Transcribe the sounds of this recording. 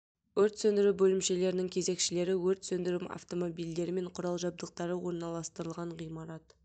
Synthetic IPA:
wɵɾt̪sɵnd̪ɪɾubɵlɪmʃe̞le̞ɾɪnɪŋkʲʰe̞ze̞kʃɪle̞ɾɪwɵɾt̪sɵnd̪ɪɾɪma̰ft̪o̞mo̞bijld̪e̞ɾɪme̞ɴqʰʊɾɑlˠʒɑb̚d̪əq̚t̪ɑɾəwo̞ɾnɑlˠɑst̪əɾəlˠʁɑɴʁijmɑɾɑt̪

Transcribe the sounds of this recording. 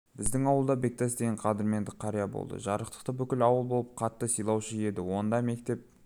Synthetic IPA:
bɪzd̪ɪŋɑwəlˠd̪ɑbe̞k̚t̪æsd̪e̞ɡʲeɴqʰɑd̪ɪɾme̞nd̪ɪqʰɑɾijabo̰lˠd̪ə̰ʒɑɾəqt̪ə̥qt̪əbʏkʲɪlɑwəlˠbo̞lˠəp̚qʰɑt̪ːəsijlˠɑwʃəje̞d̪ɪwo̞nd̪ɑjme̞kt̪e̞p̚

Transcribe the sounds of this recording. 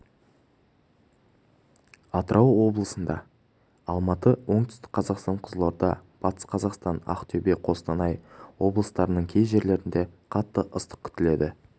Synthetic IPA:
ɑt̪əɾʔɑwwo̞blˠəsənd̪ɑ̰ | ɑlˠmɑt̪əwo̞ɴt̪ʏ̥st̪ɪ̥k̚qʰɑzɑqst̪ɑɴqʰəzəlˠoɾd̪ɑb̥ɑt̪ə̥sqʰɑzɑqst̪ɑnɑ̰qt̪ʰɵbe̞qʰo̞st̪ɑnɑjwo̞blˠəst̪ɑɾənəɴkʲʰejʒe̞ɾle̞ɾɪnd̪e̞qʰɑt̪ːəʔəst̪ə̥q̚kʲʰʏ̥t̪ɪle̞d̪ɪ

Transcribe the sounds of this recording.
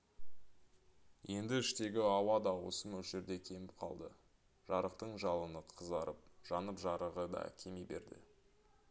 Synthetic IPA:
je̞nd̪ɪɪʃt̪e̞ɡʲɪɑwɑd̪ɑwo̞̰səmɵlʒe̞ɾd̪e̞kʲʰe̞mɪp̚qʰɑ̰lˠd̪ə | ʒ̥ɑɾəqt̪əɴʒɑlˠənəqʰəzɑɾəp̚ʒ̥ɑnəpʒɑɾəʁəd̪ɑ̰kʲʰe̞mebe̞̰ɾd̪ɪ̰

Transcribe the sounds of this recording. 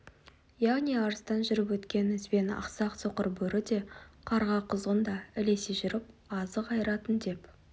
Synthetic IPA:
jaʁniɑɾəst̪ɑnʒʏɾɪpwɵt̪kʲe̞nɪzbe̞nɑ̰qsɑqsoqəɾbɵɾɪd̪e̞qʰɑɾʁɑqʰʊzʁənd̪ɑɪle̞seʒʏɾɪp̚ɑzəqɑjəɾɑt̪ənd̪e̞p

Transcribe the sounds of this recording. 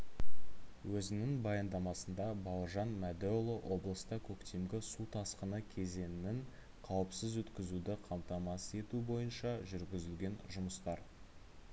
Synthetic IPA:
wʔɵzɪnɪŋbɑjɑnd̪ɑmɑsənd̪ɑbɑlˠʒɑnmæd̪ølˠowʔo̞blˠəst̪əkʲʰɵkt̪e̞mɡʲɪsut̪ʰɑsqənəkʲʰe̞ze̞nɪnɪŋ | qʰɑwəpsəzwɵt̪kʲɪzud̪ɪqʰɑmt̪ɑmɑse̞t̪ubo̞jənʃɑʒʏɾɡʲɪzɪlɡʲe̞nʒʊməst̪ɑɾ

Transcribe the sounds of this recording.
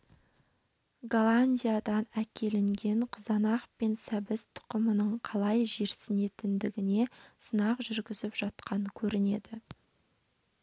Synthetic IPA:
ɡolˠanʲdʲijad̪ɑnækʲʰe̞lɪŋɡʲe̞ɴqʰəzɑnɑqpe̞nsæbɪst̪ʰʊ̥qəmənəɴqʰɑlˠɑjʒe̞ɾsɪne̞t̪ɪnd̪ɪɡʲɪne̞sənɑqʒʏɾɡʲɪzɪpʒ̥ɑt̪̚qʰɑɴəkʲʰɵɾɪne̞̰d̪ɪ

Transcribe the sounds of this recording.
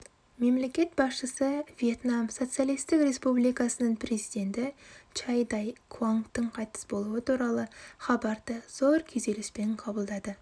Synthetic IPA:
me̞mle̞kʲe̞t̪̚bɑsʃəsəvije̞t̪namso̞t̪sɨjalˠijst̪ɪkɾe̞spublijkɑsənəɴpʰɾe̞zijd̪e̞nt̪ɪt͡ʃajd̪ɑjkʰvoŋkt̪əɴqʰɑjt̪ə̥sbo̞lˠuət̪ʰuɾɑlˠəχɑbɑɾd̪əz̥o̞ɾkʲʰeze̞lɪspe̞ɴqʰɑbəlˠd̪ɑd̪ə

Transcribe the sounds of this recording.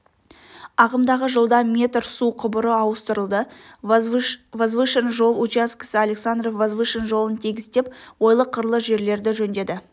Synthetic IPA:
ɑʁəmd̪ɑʁəʒəlˠd̪ɑmʲe̞t̪rsuqʰʊbʊɾəɑwəst̪əɾəlˠd̪ə | vazvɨʃənʒo̞lˠut͡ʃiaskʲə̥səaleksand̪rovazvɨʃənʒo̞lˠənt̪ʰiɡʲɪz̥t̪e̞p̚wo̞jlˠəqʰːəɾlˠəsʒe̞ɾle̞ɾd̪ɪʒɵnd̪e̞d̪ɪ

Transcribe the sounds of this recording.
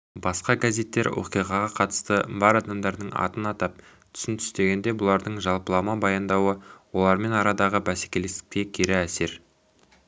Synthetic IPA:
bɑsqɑɡazʲe̞t̪ːe̞ɾwʔo̰qijʁɑʁɑqʰɑt̪ə̥st̪əbɑɾɑd̪ɑmd̪ɑɾd̪əɴɑ̰t̪ənɑt̪ɑp̚ | t̪ʰʏ̥sɪnt̪ʰʏ̥st̪e̞ɡʲe̞nd̪e̞bʊlˠɑɾd̪əɴʒɑlˠpəlˠɑmɑbɑjɑnd̪ɑwəwo̞lˠɑɾme̞nɑɾɑd̪ɑʁəbæse̥kʲe̞le̞st̪ɪk̚t̪e̞kʲʰeɾɪæse̞ɾ

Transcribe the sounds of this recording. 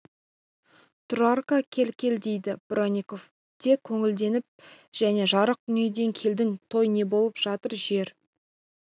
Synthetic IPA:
t̪ʰʊrarkakʲʰe̞lkʲe̞ld̪e̞jd̪ɪb̥ronʲiko̞f | t̪ʰe̞kʲʰːɵŋɪld̪e̞nɪp̚ʒ̥æne̞ʒɑɾəq̚d̪ʏned̪e̞ŋkʲʰe̞ld̪ɪŋt̪ʰo̞jne̞bo̞lˠəpʒ̥ɑt̪əɾʒe̞ɾ

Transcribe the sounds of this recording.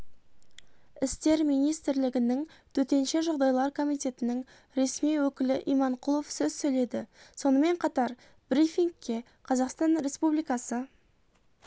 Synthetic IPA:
ɪst̪e̞ɾmijnijst̪ɪɾlɪɡʲɪnɪŋt̪ʰɵt̪e̞nʃeʒoqd̪ɑjlˠɑɾkʰo̞mijt̪e̞t̪ɪnɪŋ | ɾe̞smijwɵkʲɪlɪʔijmɑɴqʰʊlˠofsɵzsɵjle̞d̪ɪso̞nəme̞ɴqʰɑt̪ɑɾ | b̥ɾifʲiŋkʲːe̞ | qʰɑzɑqst̪ɑnɾe̞spublijkɑsə

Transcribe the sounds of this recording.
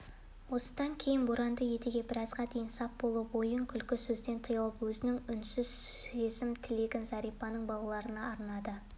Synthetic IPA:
wo̞sə̥d̪ɑŋkʲʰe̞jɪnbʊɾɑnd̪əje̞t̪ɪɡʲe̞bɪɾɑzʁɑd̪ejɪnsɑp̚bo̞lˠubo̞jəŋkʲʰʏlkʲɪsɵzd̪e̞nt̪ʰəjɑlˠəpwɵzɪnɪŋʏnsʏz̥ezɪmt̪ʰɪleɡʲɪnzɑɾijpɑnəɴbɑwlˠɑɾənɑːɾnɑd̪ə

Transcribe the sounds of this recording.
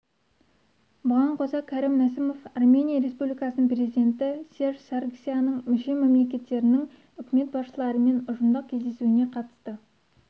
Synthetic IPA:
bʊʁɑɴqʰozɑkʲʰæɾimnæsɪmo̞fɑrmʲe̞nijaɾe̞spublijkɑsənəɴpre̞zid̪ʲe̞nt̪ɪsʲe̞rʒsarksʲijanəɴmʏʃe̞me̞mle̞k̬ʲe̞t̪ːe̞ɾɪnɪŋ | ʏkʲɪme̞t̪̚bɑsʃəlˠɑɾəme̞nʊʒənd̪ɑq̚kʲʰe̞zd̪e̞suɪne̞qʰɑt̪ə̥st̪ə

